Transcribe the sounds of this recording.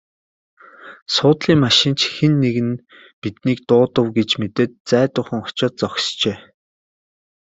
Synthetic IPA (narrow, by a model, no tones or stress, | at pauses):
sʊːt̪ɮiːŋmaʃɪ̆nt͡ɕʰxenːeɣɘ̆n | pit̪niːkt̪ʊːt̪ə̆wɡet͡ɕmet̪eːt̪̚t͡sæːt̪ʊːχə̆ŋʊt͡ɕɔːt̪̚t͡sɔxst͡ɕeː